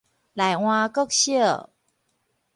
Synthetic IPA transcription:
la˨˩jw̃ã˧kə˥˨k̚ɕə˥˩˨

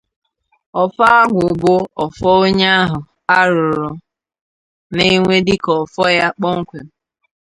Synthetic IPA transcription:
ɔ˨fa˦a˦ɡʷʊ˨ɡʊ˦ɔ˨fɔ˦o˦ɲa˦a˦ɦʊ˨ | a˦ɾʊ˨ɾʊ˨ | ne˦ŋʷe˦dɪ˦kɔ˨fɔ˦ja˦k͡pɔ˦ŋ̩˦kʷe˨m̩˨

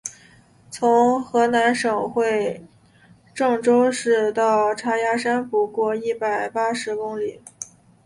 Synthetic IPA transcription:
t͡sʰʊ˧˥ŋxɤ˧˥na˧˥nʂɤ˨˩ŋxwe˥˧ɪ | ʈ͡ʂɤ˥˧ŋʈ͡ʂo˥ʊʂɻ̩˥˧t̪ɑ˥˩ʊʈ͡ʂʰa˥ja˥ʂa˥nfu˧˥kwɔ˥˧i˥˩pa˨˩ɪpa˥ʂɻ̩˧˥kʊ˥ŋli˨˩˦

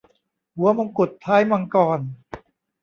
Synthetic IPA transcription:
hu˨˦ɐma˧ŋku˨˩t̪̚ʰːaː˦˥jma˧ŋkɔː˨˩n

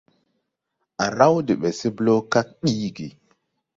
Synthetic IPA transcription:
a˨ɾa˦wdi˨ɓe˨si˦blo˦ka˦k̚ɗi˦ɡi˨

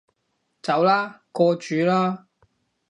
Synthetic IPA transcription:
t͡sɐ˨˥wlaː˥kɔː˧t͡ʃyː˨˥laː˥

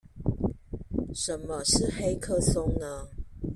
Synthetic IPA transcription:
ʂə˨˦nmə˨˦ʂɻ̩˥˨xe˥ɪkʰɤ˥˨sʊ˦ŋnə˦

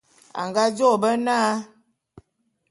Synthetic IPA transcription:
a̰˨ŋɡa˦d͡ʒo˦˨bə˦naː˦

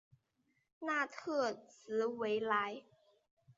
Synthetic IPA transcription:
naː˥˩t̪ʰɯ˧˩ət̪̚sɯː˨˦we˨˦jla˦˥j

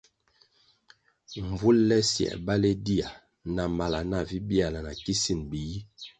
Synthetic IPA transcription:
ɱ˨vu˦llɛ˦sjɛ̰˨ba˦le˦di˦a˨ | na˨ma˨la˨na˨vi˦bi˦a˨la˨na˨ki˦si˦nbi˨ji˦

